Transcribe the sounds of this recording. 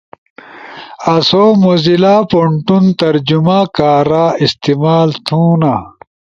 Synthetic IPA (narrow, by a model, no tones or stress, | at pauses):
ɐsoːmozilaːpoɳʈunt̪ɐɾd͡ʑumaːkaːɾaːist̪imaːlt̪ʰũːna